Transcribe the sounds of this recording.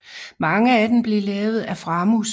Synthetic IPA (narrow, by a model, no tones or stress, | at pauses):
mɑ̈ŋəæd̥emb̥le̝lɛːʊð̞̩ˠæfʁɑ̈mus